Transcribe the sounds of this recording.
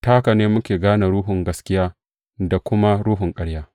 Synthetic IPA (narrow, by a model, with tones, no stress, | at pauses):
taː˦ka˨neː˦mʊ˦kʲeː˨ɡaː˦na˨ɾuː˦ɦʊ˨ŋɡɐ˦skʲɪ˦jaː˦ | da˨kʷʊ˦ma˦ɽuː˦ɦʊ˨ŋkʼɐ˦ɽjaː˦